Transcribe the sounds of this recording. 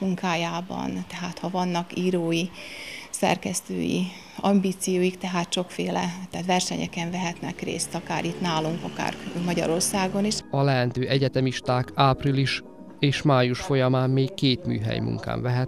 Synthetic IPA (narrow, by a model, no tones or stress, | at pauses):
muŋkaːjaːbɒ̰nt̪ɛɦaːt̪hɒvɒnːɒkiːɾoːji | sɛ̰rkɛst̪ø̰ːjḭ | ɒmbiːt̪sijoːjikt̪ɛɦaːt̪ʃo̞kfeːlɛ̰t̪ɛːt̪ʋɛrʃɛɲɛ̰kɛɱvɛɦɛt̪nɛ̰krḛːst̪ɒka̰ːɾit̪naːluŋkɒka̰ːrkmɒɟɒ̰ɾo̞rsaːɡo̞niʃɒlɛɦɛnt̪øːʔɛɟɛt̪ɛmiʃt̪aːkaːpriliʃ | eːʃmaːjuʃfo̞jɒmaːmːeːkːeːt̪my̰ːɦɛ̰jmṵŋka̰ːɱvɛɦɛt̪